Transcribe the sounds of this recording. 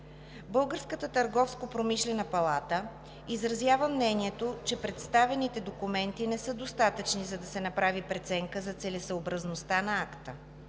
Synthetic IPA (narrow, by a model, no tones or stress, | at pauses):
bɤlˠɡəɾskət̪ət̪əɾɡɔfskopɾomiʃlɛnəpɐlˠat̪ə | izɾɐzjavəmnɛniɛt̪ot͡ʃɛpɾɛt̪st̪avɛnit̪ɛd̪okumɛnt̪inɛsɤd̪ost̪at̪ət͡ʃnizɐd̪ɐsɛnɐpɾavipɾɛt̪sɛŋkəzɐt̪sɛlɛsəobɾɐznost̪anɐakt̪ə